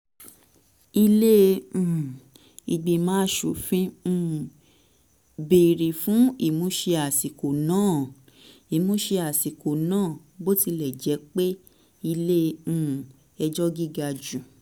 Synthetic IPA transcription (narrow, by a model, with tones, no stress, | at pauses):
i˧lẽ˦˧˨ | i˧ɡ͡bi˧mãː˦ʃu˨fĩ˦˨ | be˨ɾi˨fũ˦i˦˨mũ˨˦ʃe˧a˨si˨ko˨nãː˦˨ | i˨mũ˦ʃe˧a˨si˨ko˨nãː˦˨ | bo˦ti˧lɛ˨d͡ʒɛ˨˦k͡pe˦ | i˧lẽ˦˧˦ | ɛ˧d͡ʒɔ˦ɡi˦ɡa˧d͡ʒũ˨